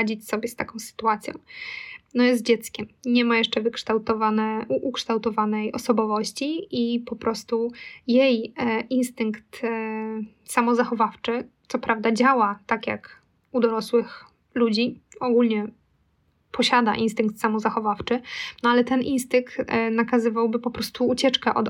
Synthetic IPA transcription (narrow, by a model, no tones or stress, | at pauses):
ad͡ʑit͡ɕsɔbʲjɛst̪akɔ̃w̃sɘ̥t̪uat̪sʲjɔ̰̃w̃nɔjɛst̪̚d͡ʑɛt̪skʲɛmɲɛmajɛʂt͡ʂɛvɘkʂt̪awt̪ɔvanɛuʔukʂt̪awt̪ɔvanɛjɔsɔbɔvɔɕt͡ɕiipɔpɾʔɔst̪ujejinst̪ɘŋkt̪ | samɔzaxɔvaft͡ʂɘt̪sɔpɾavd̪ad͡ʑawat̪akʲja̰k | ud̪ɔɾɔswɘx | lud͡ʑiɔɡulɲɛ | pʰɔɕad̪a̰ʔinst̪ɘŋk̚t̪samɔzaxɔvaft͡ʂɘnɔalɛt̪ɛnʔinst̪ɘŋk̚t̪nakazɘvawbɘpɔpɾɔst̪uːt͡ɕɛt͡ʂkɛʔɔ̰d̪